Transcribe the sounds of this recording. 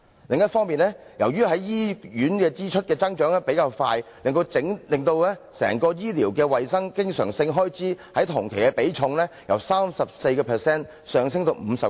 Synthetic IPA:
lɪ˨ŋjɐ˥t̚fɔː˥ŋmiː˨nɛː˥ | jɐ˨˩wjyː˥ɦɐ˨˥jjiː˥jyː˨˥nkɛː˧t͡siː˥t͡ʃʰɵ˥t̚kɛː˧t͡sɐ˥ŋt͡ʃœː˨˥ŋlɛ˥pe˨˥jkaː˧wfaː˧jlɪ˨ŋt̪o˧wt͡sɪ˨˥ŋlɪ˨˩ŋt̪o˧wlɛː˥sɛ̰ː˨˩ŋkɔː˧jiː˥liː˨˩wkɛː˧wɐ˨jsɐ˥ŋkɪ˥ŋsœ̰ː˨˩ŋsɪ˧ŋɦɔː˥jt͡siː˨˥hɐ˨˥jt̪ʰʊ˨˩ŋkʰe˨˩jkɛ˧pe˨˥jt͡sʰʊ˧ŋlɛː˥jɐ̰˨˩wsaː˥msɐ˨p̚se˧jkɛː˧pʰɛː˨˩sɛː˥n | sœː˨ŋsɪ˥ŋt̪o˨˧wm̩ː˨˧sɐ˨p

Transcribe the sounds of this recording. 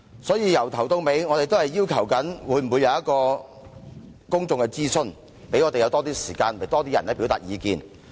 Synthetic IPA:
sɔː˨˥jiː˨˧jɐ˨˩wt̪ʰɐ˨˩wt̪ʊ˧ŋme˨˧˥jŋɔː˨˧t̪e˨jt̪o˥whɐ˨jːiː˥wkʰɐ˨˩wkɐ˨˥nwuː˨˧jm̩˨˩wuː˨˧jɐ˧wjɐ˥t̚kɔː˧ | kʊ˥ŋt͡sʊ˨˧ŋkɛ˧t͡siː˥sɵ˥n | pe˨˥jŋɔː˨˧e˨jɐ˨˧wt̪ɔː˥t̪iː˥si̥ː˨˩kaː˧nwe˨˩jt̪ɔː˥t̪iː˥jɐ˨˩nɛ˥piː˨˥wt̪a̰ː˨˩jiː˨˧kḭː˧n

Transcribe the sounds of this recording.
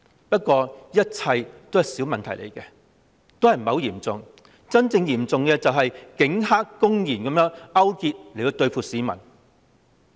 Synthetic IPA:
pɐ˥t̚kʷɔː˧jɐ˥t̚t͡sʰɐ˧jt̪o˥whɐ˨jsiː˨˥wmɐ˨nt̪ʰɐ˨˩jlʔḛ˨˩jkɛ˧ | t̪o˥whɐ˨jm̩˨ɐ˨˧wjiː˨˩mt͡sʊ˨ŋ | t͡sɐ˥nt͡sɪ˧ŋjiː˨˩mt͡sʊ˨ŋkɛ˧t͡sɐ˨wɦɐ˨jkɪ˨˥ŋhaː˥kkːʊ˥ŋjiː˨˩nkɐ˨˦mjœː˥ŋɐ˥wkiː˧t̚le˨˩t̪o˧wt̪ɵ˧ɥfʰuː˨˩t̚siː˨˥mɐ̰˨˩n

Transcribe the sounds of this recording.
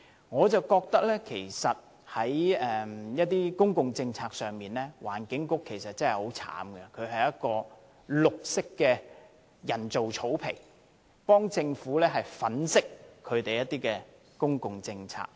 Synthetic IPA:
ŋɔː˨˧t͡sɐ˨wkɔː˧k̚t̪ɐ˥k̚lɛː˥kʰe˨˩jsɐ˨t̚ | hɐ˨˥jɛː˨mjɐ˥t̚t̪iː˥kʊ˥ŋkʊ˨ŋt͡sɪ˧ŋt͡sʰaː˧k̚sœː˨˩ŋmiː˨nlɛː˥wa̰ː˨˩nkɪ˨˥ŋkʊ˥kʰːe˨˩jsɐ˨t̚t͡sɐ˥ŋhɐ˨jho˨˥wt͡sʰa̰ː˨˥mɡɛ˧kʰɵ˨˧ɥɦɐ˨jɐ˦˥t̚kɔː˧ | lʊ˨k̚sɪ˥kːɛː˧ | jɐ˨˩nt͡so˨wt͡sʰo˨˥wpʰɪ˨˩ŋ | pɔː˥ŋt͡sɪ˧ŋfuː˨˥lɛː˥ɦɐ˨jfɐ˨˥nsɪ˥kkʰːɵ˨˧ɥt̪e˨jɐ˥t̚t̪iː˥kɛ˧ | kʊ˥ŋkʊ˨ŋt͡sɪ˧ŋt͡sʰa̰ː˧k̚

